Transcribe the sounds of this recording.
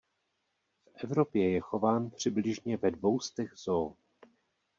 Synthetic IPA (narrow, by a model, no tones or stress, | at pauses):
fʔɛvɾo̞pjɛjɛxo̞vaːnpr̝̥ɪblɪʒɲɛvɛdvo̞wst̪ɛɣzoː